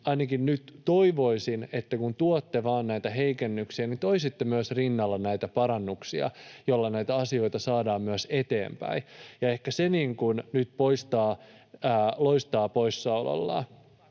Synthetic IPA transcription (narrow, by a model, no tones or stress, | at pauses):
ɑinɑkinnyt̪t̪oiʋo̞isinet̪ːækunt̪uot̪ːeʋɑːnnæit̪æɦeikenːyksiænit̪oisit̪ːemyøsrinːɑlːɑnæit̪æpɑɾɑnːuksiɑ̰jolːɑnæit̪æɑsio̞it̪ɑsɑːdɑːmmyøset̪ḛːmpæ̰ijɑehkæseniːŋkunnyt̪̚poist̪ɑː | loist̪ɑːpoisːɑulɑ̰lːɑ̰ː